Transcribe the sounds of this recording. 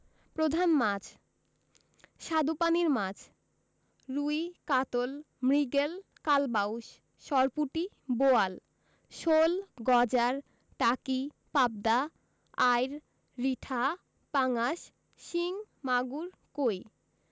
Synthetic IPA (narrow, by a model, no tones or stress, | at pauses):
pɾod̪ʱanmad͡ʑ | ʃad̪upaniɾmad͡ʑ | ɾuikat̪ol | mɾiɡel | kalbauʃ | ʃɔɾpuʈi | boal | ʃolɡɔd͡ʑaɾ | ʈaki | pab̚d̪a | ajɾ | ɾiʈʰa | paŋaʃ | ʃiŋ | maɡuɾ | koj